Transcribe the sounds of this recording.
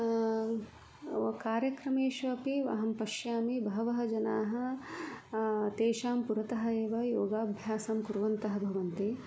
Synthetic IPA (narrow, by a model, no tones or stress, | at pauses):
kaːɾjɐkɾɐmeːʃʋɐpiʋɐ̰ɦɐmpɐʃjaːmibʱɐɦɐʋɐɦɐ̆d͡ʒɐna̰ːɦɐ̆ | t̪eːʃaːmpuɾɐt̪ɐɦɐ̆eːʋɐjoːɡaːbʱjaːsamkuɾʋɐnt̪ɐɦɐbʱɐʋɐnt̪i